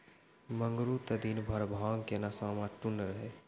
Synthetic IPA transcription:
məŋɡɾut̪əd̪inbʱɐɾbʱaːŋkenasaːmaʈunɾəɦeː

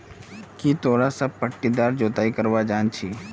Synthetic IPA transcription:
kit̪ʰoːɽasɐb̚pəʈːid̪aːɾd͡ʒoːt̪aːikɐɾʋad͡ʒaːnt͡ʃʰiː

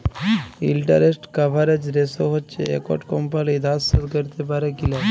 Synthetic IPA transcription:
ḭlʈə̰ɾesʈkabʱaɾed͡ʑɾesoɦɔtːt͡ʃḛḛkɔ̰ʈkɔmpalid̪asəd̪kəɾt̪ebaɾekila

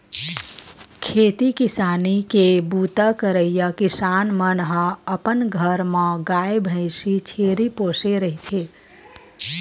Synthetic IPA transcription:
kʰeːt̪ikɪsaːnikebuːt̪akəɾəijakɪsaːnmənɦãəpənɡʱəɾmãɡaːebʱə̃ɪʃit͡ʃʰeːɾipoːseɾəɦit̪ʰeː

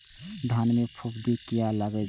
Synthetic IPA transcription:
d̪ʱanmepʰupd̪ikijaləɡɛ

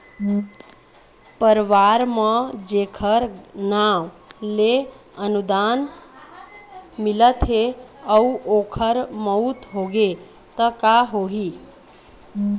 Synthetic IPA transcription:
pəɾʋaɾmə̃d͡ʒekʰəɾnaw | le | ənud̪an | milət̪ɦeəuokʰəɾməut̪ɦoɡe | t̪əkaɦoɦi

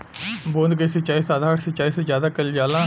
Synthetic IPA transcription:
bõːnd̪kesət͡ʃaːisaːd̪ʱaːɾsət͡ʃaːisezjaːd̪akɐld͡ʒaːlãː

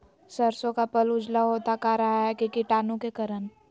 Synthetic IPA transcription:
səɾsõkapɐlʊd͡ʒlaɦoːt̪akaɾɐɦaɦɛkikɪʈaːnõkekɐɾən

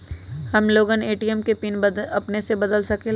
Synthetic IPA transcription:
hɐmloːɡəneːʈijəmkepiːnɐpnesebɐd̪əlsɐke

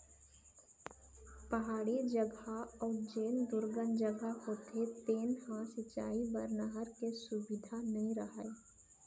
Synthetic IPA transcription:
pɐɦaːɽid͡ʒəɡaɔːɾd͡ʒeːnd̪ʊɾɡənd͡ʒəɡahoːt̪et̪eːnhãsɪt͡ʃa̰ːibəɾnəɦəɾkesʊbɪd̪ʱanɐɦĩɾɐɦaeː

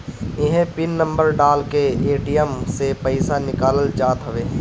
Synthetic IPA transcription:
ɪɦẽpɪnːə̃mbəɾɖaːlkeeːʈijəmsepɐɪsanɪkaːləld͡ʒaːt̪ɦɐʋeː

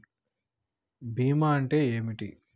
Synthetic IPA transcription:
biːmaːɐɳʈe̞ːeːmiʈḭ

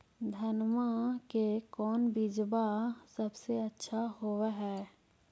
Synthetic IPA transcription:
d̪ʱɐnmakekɔːnbid͡ʒbasɐbseɐtːʃʰahoʋɦɛː

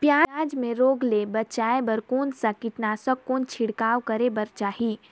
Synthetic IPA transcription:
pjaːaːd͡ʒmẽɾoːɡlebɐt͡ʃaːebəɾkoːnsakɪʈnaːsəkːoːnt͡ʃʰɪɽkaːwkəɾebɐɾt͡ʃaːɦi

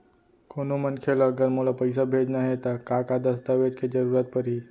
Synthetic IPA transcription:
konomənkʰelːɡəɾmolapəɪsabʱed͡ʒnaɦet̪akakad̪əst̪aʋed͡ʒked͡ʒəɾuːɾət̪̚pəɾɦi

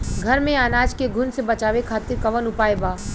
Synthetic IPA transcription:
ɡʱɐɾmẽaːnaːd͡ʒkeɡʱʊnsebɐt͡ʃaːʋekʰaːt̪ɪɾkɐʋənʊpaːebaː

